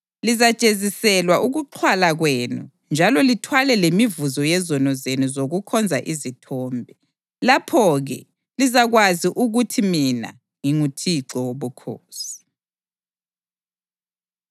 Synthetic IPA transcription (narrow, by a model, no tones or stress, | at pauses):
lizat͡ʃʼezisɛlwaʔuɣuǃʰwalaɣweːnu | nd͡ʒʱalɔlitʰwalɛlemivuzɔjɛzɔnɔzenuzoɣukʰɔnd͡zʱaʔizitʰɔːmbʱɛ | lapʰɔɣɛ̰ | lizaɣwaziʔuɣutʰimina̰ | ŋiŋutʰiǀɔwoβukʰo̰ːsi̥